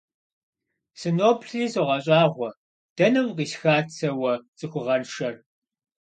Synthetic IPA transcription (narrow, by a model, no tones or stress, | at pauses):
sɨnoːpʰɬiːsoʁɐɕʼaːʁʷɔ | d̥ɐnɐwqiːsxaːt͡sʰɐwɐt͡sʼɨxʷʊʁɐnʃɐr